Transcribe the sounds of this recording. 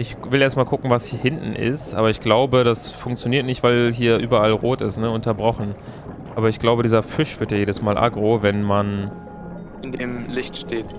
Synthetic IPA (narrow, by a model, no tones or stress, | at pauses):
ʔɪç | vɪlʔɛːɐstmaːlkʰʊkŋ̩vashiːɐhɪntn̩ʔɪ̰stʔa̰ːbɐɪçɡ̥laʊbəɾasfʊŋk̚t͡sjoniːɐtnɪçtv̥aɪlɦiːɐʔyːbɐalʁoːtɪstnəʊntɐbʁɔχn̩ | ʔaːbɐɪçɡ̥laʊbədiːzɐfɪʃv̥ɪɐtjaːjeːdəsmaːlʔa̰ɡʁoːvɛnman | ʔɪndeːmlɪçtʃteːt